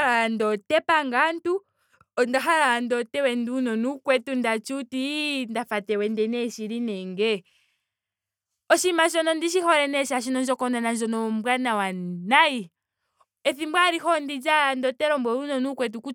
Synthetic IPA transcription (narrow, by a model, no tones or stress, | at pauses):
ɾaandɔtɛpaŋɡantu | ɔndaɦaɾaandɔtɛwɛndunɔnukwɛtundat͡ʃutindafatɛwɛndɛnɛʃiɾinɛŋɡɛ | ɔʃimaʃ̬ɔnɔndiʃ̬ihɔɾɛnɛʃaʃ̬inɔnd͡ʒɔkɔnanand͡ʒɔnɔmbwanawanai | ɛθimbwaɾihɔndid͡ʒandɔtɛɾɔmbwɔɾunɔnukwɛt̬uku